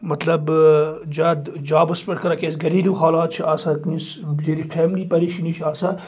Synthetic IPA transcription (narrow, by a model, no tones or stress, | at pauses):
mɐt̪lɐbd͡ʒaːd̪d͡ʒaːbɐspɐʈkɐɾakeːsɡɐɾiːluːxaːlaːt̪̚t͡ʃʰiaːsaːkĩs | d͡ʒeɾifʰɛːmliːpɐɾiʃinit͡ʃʰiaːsaː